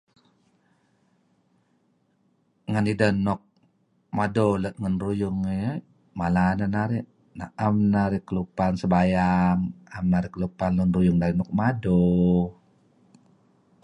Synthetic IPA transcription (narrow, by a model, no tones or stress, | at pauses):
ŋanidəhnɔk̚ | madɔlət̪̚ŋənrujʊŋe | malananaɾiʔ | na̰ʔamnaɾikəlupansəbajaŋamnaɾikəlupanlənrujʊŋdaɾinɔk̚madɔ